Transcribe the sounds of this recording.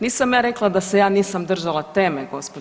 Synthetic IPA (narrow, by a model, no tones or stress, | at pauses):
niːsamjaːɾeklˠad̪asejaːniːsamd̪r̩ʒalat̪eːmeɡo̞spo